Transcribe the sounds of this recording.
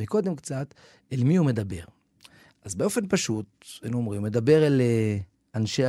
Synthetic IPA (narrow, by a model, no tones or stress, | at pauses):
iko̞d̪emkt͡sat̪ | elmiumed̪abe̞ʁ | ʔazbeo̞fe̞npaʃut̪̚enuomʁimme̞d̪abe̞ʁele | anʃe